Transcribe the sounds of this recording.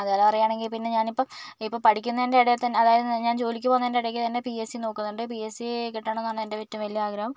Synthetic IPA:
ɐðaːlɐpɐrɐjaːɳe̞ŋɡilpinːe̞ɲaːnipːoːipːoːpɐʈʰikʲːunːɐendeɐɽejt̪ɐnːeɐðaːjɐðɨnɲaːnt͡ɕo̞ːlik̬ʲːɨpoːnːɐendeɐɽek̬ʲːit̪ɐnːe̞piesino̞ːkːunːuɳɖɨpiesikiʈːaɳonːaːɳendeʋitːumʋɐlijɐaːɡɾɐhɐm

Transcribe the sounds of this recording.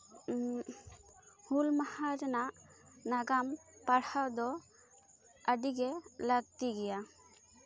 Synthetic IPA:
hulmahaɾnaʔnaɡampaɽhawd̪ɔ | əɖiɡɛləɡ̚t̪iɡɛja

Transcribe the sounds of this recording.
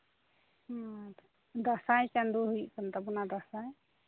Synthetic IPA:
d̪asajt͡ʃand̪uɦujkant̪abunad̪asaj

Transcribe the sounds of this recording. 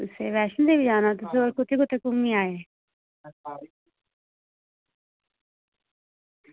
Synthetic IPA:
t̪ʊsḛːʋɛːʃənd̪ebid͡ʒaːnat̪ʊseoɾkʊt̪ʰːekʊt̪ʰːekʊmːĩaːeː

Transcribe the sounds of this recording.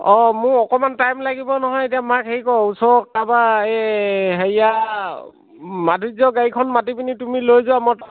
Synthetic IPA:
ɔmʊɹɔkɔmantajmlaɡibɔnɔɦɔjetiamakɦeikɔusɔk̚ːabaeɦeja | madʱuzɔɡaɹikʰɔnmatipinitumilojzɔamɔ

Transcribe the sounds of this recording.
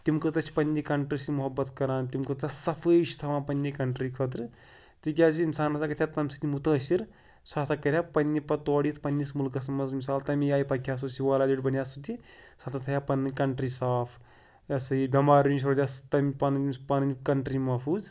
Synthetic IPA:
t̪imkɨt̪ɐt͡ʃʰi̥pɐnʲːikɐɳʈɾisimuɦɐbːɐt̪kɐɾaːnt̪imkɨt̪ɐsɐpʰəʃt̪ʰɐmãːpɐnʲːikɐɳʈɾikʰət̪̬ɾɨ | t̪ik̬ʲaːd͡ʒiːnsaːnɐsakɐt̪ʰʲat̪ɐmsi̥t̪imut̪əːsiɾ | saːt̪ʰɐkɐɾʲjaːpɐnʲːipɐt̪oɔːɽiːt̪ʰpɐnʲːismulkɐsmɐzmisaːlt̪ɐmijaːjpɐkʲʰjaːs̬osiʋaːlaːd̪iʈʲbɐnjaːsut̪isɐt̪ʰɐt̪ʰɐjaːpɐnːkɐɳʈɾiːsaːpʰ | ɐsɐibʲɐmaːɾniʃ̬ɾod̪ʲjast̪ɐmipɐnpɐnkɐɳʈɾimɐfʰuːz

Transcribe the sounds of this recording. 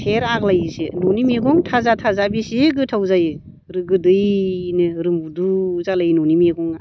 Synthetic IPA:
pʰeɾaklajsḛnonimeɡɔŋtʰazatʰazabisiɡɯtʰawzajɯ | ɾɯɡɯdɯjnɯɾɯmbuduzalajnɔnimeɡɔŋ

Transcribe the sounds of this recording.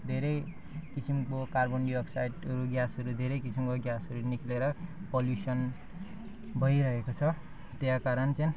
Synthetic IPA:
d̪ʱeɾʌj | kisimkokarbʌnɖiʌksajʈʌɾuɡjasʌɾud̪ʱeɾʌjkisimkoɡjasʌɾunikʰleɾʌpʌljusʌn | bʱʌjɾʌɦekot͡sʰʌ | t̪jãkaɾʌnt͡sʌ̃

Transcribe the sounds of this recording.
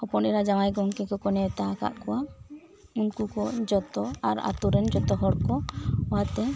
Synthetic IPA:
ɔpɔnɛɾad͡ʒaŋajɡɔŋkɛkɔkɔnɛt̪aka̰ʔkɔwa | unkukɔd͡ʒɔt̪ɔaɾa̰t̪uɾɛnd͡ʒɔt̪ɔɦɔɽkɔɔat̪ɛ

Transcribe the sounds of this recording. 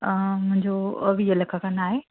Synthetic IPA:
əmʊ̃ɦɪ̃ɲd͡ʑoəʋijəlɐkʰakanaːɦe

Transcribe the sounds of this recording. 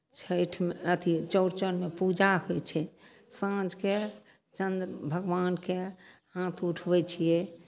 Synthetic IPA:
t͡ʃʰəjʈʰmeət̪ʰit͡ʃəɾt͡ʃənmepud͡ʒaɦojt͡ʃʰɛ | sãd͡ʒʱke | t͡ʃənd̪ɾəbʱəɡʋankehãt̪ʰuʈʰbɛt͡ʃʰije

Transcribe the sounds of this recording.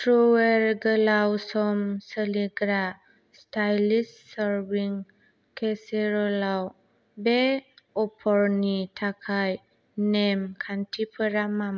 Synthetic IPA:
tʰɾuweɾɡəlawsɔmsəliɡɾa | stʰajlissaɾbiŋ | kʰeseɾɔlaw | be | ɔpʰɔɾnitʰakʰaj | nemkʰantʰipʰɯɾamam

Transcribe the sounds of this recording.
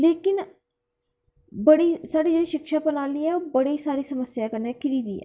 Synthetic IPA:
leːkɪn | bəɽisaːɽiːd͡ʒeːɽiːʃɪkʃaːpənaːliːɛːoːbəɽisaːɾiːsəməsjaːkənekɪɾiːd̪iːɛ̰

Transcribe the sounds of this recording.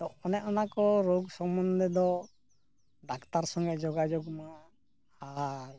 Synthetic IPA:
t̪ɔɔnɛɔnakɔɾoɡsɔmɔnd̪ɛd̪ɔ | ɖakt̪aɾsɔŋɡɛd͡ʒɔɡad͡ʒɔkma | aɾ

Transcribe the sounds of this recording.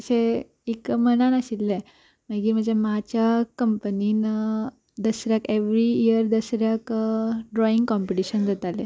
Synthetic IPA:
əɕe | ikəmənanəɕilːɛ | məɡiːm̤əɳd͡ʑemat͡ɕjakəmpəninə | d̪əsɾjakeʋɾiiəɾd̪əsɾjakɖɾɔiŋɡkɔmpiʈiɕənd͡z̪ət̪ale

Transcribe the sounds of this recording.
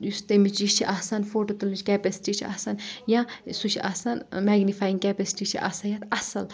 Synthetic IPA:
just̪emit͡ʃit͡ʃʰiʔɐːsanfoːʈot̪ɐlit͡ʃkɛːpesi̥ʈit͡ʃʰiɐ̰sanjãsut͡ʃʰiɐ̰ːsanmɛːɡnifaːjiŋɡkʲɛːpesi̥ʈit͡ʃʰiʔɐ̰sɐjɐt̪ɐsɐl

